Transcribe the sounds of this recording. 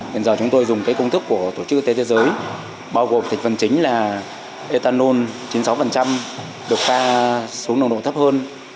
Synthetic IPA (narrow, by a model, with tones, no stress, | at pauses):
t̪i˨˩nzəː˨˩t͡ɕʊ˨˦ŋ͡mt̪o˧jzʊ˨˩ŋ͡mkaː˨˦jkə˧wŋ͡mt̪ʰɨ˦˥kːu˧˩ət̪o˧˩t͡ɕɨ˦˥k̚ʔt̪e˨˦t̪ʰe˨˦zəː˨˦j | ɓaː˧wɣo˨˩mt̪ʰŋ̟fə˨˩nt͡ɕï˨˦ŋ̟laː˨˩ | ʔe˧t̪aː˧nːo˧nt͡ɕi˨˦nsa˨˦wfə˨˩nt͡ɕa˧m | ɗɨ˨˩ək̚faː˧su˨˦əŋnə˧wɗo̰˧˩t̪ʰə˦˥p̚həː˧n